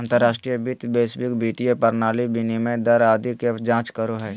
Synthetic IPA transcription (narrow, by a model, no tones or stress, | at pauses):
ɐ̃nt̪əɾːaːʃʈɾijəbɪt̪beːsbɪkbiːt̪ijepɐɾnaːlibʱɪnimẽd̪ɐɾaːd̪iked͡ʒãːt͡ʃkəɾoɦɛː